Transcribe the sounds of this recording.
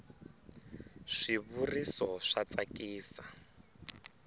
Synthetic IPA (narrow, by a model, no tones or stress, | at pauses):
ʂiβurisɔʂat͡sakiːsa